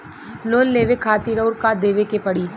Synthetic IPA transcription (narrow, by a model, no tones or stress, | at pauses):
loːnleːʋekʰaːt̪iɾəʊɾkad̪eːʋekepɐɽiː